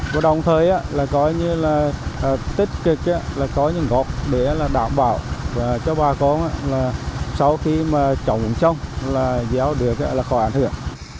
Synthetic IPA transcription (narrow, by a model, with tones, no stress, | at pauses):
vaː˨˩ɗə˨˩wŋ͡mt̪ʰəː˨˩jʔaː˧˦laː˨˩kɔ˨˦ɲɨ˧laː˨˩˨t̪ï˦˥t̚kɨ˨˩k̚ʔaː˧˦laː˨˩kɔ˨˦ɲɨ̰˧˥˦ŋɣɔ˨˩k͡p̚ɗe˧˩˦laː˨˩ɗa̰ː˧˨mɓa̰ː˧˨wvaː˨˩t͡ɕɔ˨˧˦ɓaː˨˩kɔ˨˦nʔa̰ː˧˥laː˨˩sa˧wxi˧maː˨˩t͡ɕə̰˧˨˩wŋ͡mʔt͡ɕə˧wŋ͡mlaː˨˩zaː˨˦wɗɨ˨˩ək̚aː˧˦laː˨˩xɔ˧˩˦ʔa̰ː˧˩jnhɨ̰˧˩˨əŋ